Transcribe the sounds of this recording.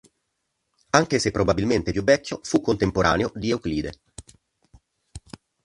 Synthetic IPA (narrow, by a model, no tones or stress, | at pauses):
aŋk̟esepːɾʔobabilment̪epjuvːɛkʰʲːjofukːont̪empoɾʔa̰ːneod̪ieukliːd̪e